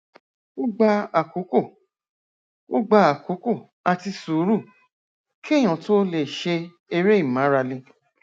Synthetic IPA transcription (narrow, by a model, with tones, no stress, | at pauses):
o˦ɡ͡ba˧a˨ko˨˦ko˦˨ | o˦ɡ͡ba˧a˨ko˨˦ko˦˨ | a˧ti˧su˨˦ɾu˦˨ | kʰi˦e˦˨j̃ã˨to˦le˨ʃe˧ | e˧ɾe˦i˦˨mã˨˦ɾa˧le˧